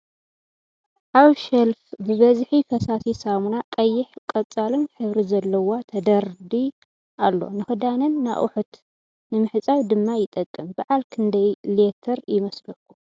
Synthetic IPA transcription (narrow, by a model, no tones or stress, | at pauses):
ʔaβʃɐlfbɨβɐzħifɐsasisamunakʼɐjːɪħkʼɐt͡sʼalɨnħɨβɾizɐlːɐwat̪ʰɐd̪ɐɾd̪i | ʔalːo̞̰nɨxɨd̪anɨnːa̰ʔṵħut̪ | nɨmɨħɨt͡sʼawd̪ɨmːajɪt̪ʼɐkʼːɨmbaʕalkʰɨnd̪ɐjlet̪ʰɐɾjɪmɐslɐkːu̥